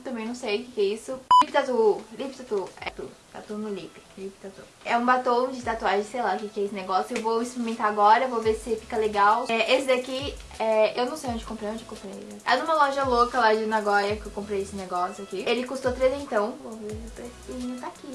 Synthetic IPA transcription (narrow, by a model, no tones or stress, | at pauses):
t̪ɐ̃mbẽj̃nɐ̃w̃sejʊkɪkɛisʊlipɪt̪at̪ulipɪt̪at̪uɛ̰t̪ṵt̪a̰t̪unʊlipɪlipɪ̥t̪at̪u | ɛũbat̪õw̃d͡ʒɪt̪at̪uaʒẽsejlaʊkɪkɪɛesɪneɡɔsjʊewvoispɾimẽnt̪aaɡɔɾɐvoveɾsɪfi̥kɐleɡawɛʔesɪd̪eaki | ɛewnɐ̃w̃sejõd͡ʒɪkõpɾejõd͡ʒɪkõmpɾe | ɛa̰nũmɐlɔʒɐlokɐlad͡ʒɪnaɡɔjɐkɪewkõmpɾejesɪneɡɔsjʊakielɪkust̪oɐt̪ɾezẽt̪ɐ̃w̃voveɾp̪esiẽt̪aki